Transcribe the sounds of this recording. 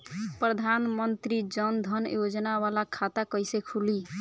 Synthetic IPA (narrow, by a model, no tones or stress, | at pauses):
pɾəd̪ʱanmənt̪ɾid͡ʒənd̪ʱənjod͡ʒnaβalakʰat̪akəjsekʰuli